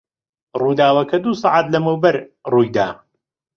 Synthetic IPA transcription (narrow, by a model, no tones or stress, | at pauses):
ruːd̪aːwɐkʰɐd̪uːsɑːʕaːt̪lɐmɨwbɐɾruːjd̪aː